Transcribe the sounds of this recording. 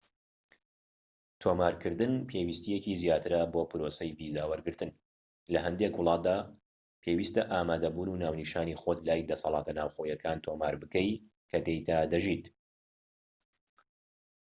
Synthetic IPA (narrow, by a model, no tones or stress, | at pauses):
t̪ʰoːmaːɾkʰɨɾd̪ɨnpʰewist̪ijekizjaːt̪ʰɨɾɐbopɨɾosɐjbiːzaːwɐɾɡɨɾt̪ɨn | lɐɦɐnd̪ekwʊlˠɑːt̪̚d̪aː | pʰewiːst̪ɐʔaːmaːd̪ɐbuːnunaːwniʃaːnixot̪laːjd̪ɐsɑlˠɑ̰ːt̪ɐnaːwxoːjɐkʰaːnt̪ʰoːmaːɾbɨkɛj | kʰɐt̪ejt̪ʰaːd̪ɐʒit̪